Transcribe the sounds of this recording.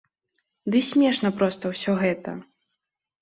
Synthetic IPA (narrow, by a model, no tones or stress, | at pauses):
d̪ɨsʲmʲɛʂnɐpɾɔst̪ɐwsʲɔɣɛt̪ɐ̰